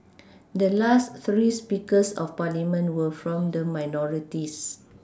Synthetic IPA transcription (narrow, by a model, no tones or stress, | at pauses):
dəlast̪ɹispikəsɔ̰fpalimə̃ntwəfɹɔ̃mdəmajnɔɹitis